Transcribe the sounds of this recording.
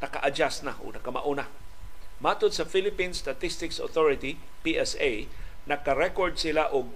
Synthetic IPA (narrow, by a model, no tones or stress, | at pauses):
nɐkaʔad͡ʒasnaʔʊ̰ɡnɐkama̰ʔuna | mat̪ʊd̪sɐfilɪpinst̪at̪ist̪ɪkso̰t̪oɹɪt̪i | piʔɛsejnɐkaɾɛkoɹd̪̚sɪlaʔʊɡ̚